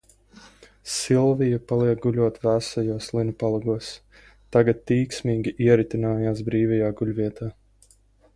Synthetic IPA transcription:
silˠvijapalˠiɛk̚ɡulʲuɔt̪væsajuɔslˠinupalˠuɡuɔs | t̪aɡat̪ːiːksʲmiːɡʲiʔiɛɾit̪inaːjaːsbɾiːvɛjaːɡulʲviɛt̪aː

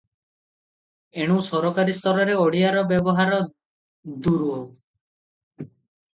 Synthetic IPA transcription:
eɽ̃usɔɾɔkaɾist̪ʰɔɾɔɾeoɽiaɾɔbebɔɦaɾɔ | d̪uɾuɦow

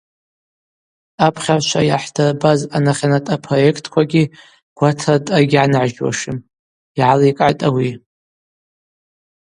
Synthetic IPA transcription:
apʰχʲart͡ʃʷʰajaħdʰarbazanaχʲanatʼapʰro̞je̞kʰtʰʼkʷaɡʲi | ɡ̥ʷatʰatʼaɡʲʕanʕʒwa̰ʂɪm | iʕalikʼʕajtʼawi

